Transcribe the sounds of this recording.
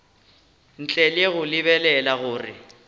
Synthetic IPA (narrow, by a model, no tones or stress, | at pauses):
n̩t͡ɬʼɛleɣʊlɪbɛlɛlaɣʊːrɪ̰